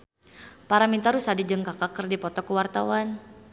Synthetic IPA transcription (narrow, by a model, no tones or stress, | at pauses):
paɾamint̪aɾusadid͡ʒəŋkakakərdipɔt̪ɔkuwart̪awan